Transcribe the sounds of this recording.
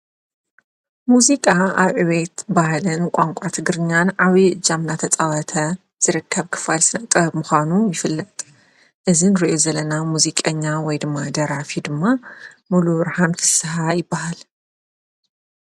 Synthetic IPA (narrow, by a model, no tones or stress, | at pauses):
muzikʼaaβʕɨβet̪bahlɨnkʷʼaŋkʷʼat̪ʰɨɡɾɨɲːanʕaβiʔɨd͡ʒːamnat̪ʰɐt͡sʼɐβɐt̪ʰɐ | z̥ɨɾɨkʰːɐβkʰːɨ̥falsɨnɐʔt̪ʼɐbmuxʷanujɪfɨlːɐt̪ʼ | ʔɨzinɾiʔozɐlɐnamuzikʼɐɲːawɔjd̪ɨmːad̪ɐɾafid̪ɨmːa | muluβɨɾħanfɨsɐɦajɪbːaɦal